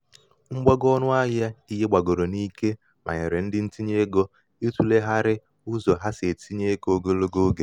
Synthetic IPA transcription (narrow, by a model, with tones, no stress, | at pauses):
ŋ͡m̩˦ɡ͡ba˦ɡɔ˦nʊ˦a˦ja˦i˦ɦe˦ɡ͡ba˨ɡo˨ɾo˨ni˦ke˦ | ma̰˨ɲe˨ɾe˨n̩˦dɪ˦n̩˦ti˦ɲe˦ɡo˦ | i˦tu˦le˦ɦa˦ɾɪ˦ | ʊ˦zɔ˨ɦa˦se˨tʰi˦ɲe˦ko˦ɡo˦lo˦ɡo˦ɡe˨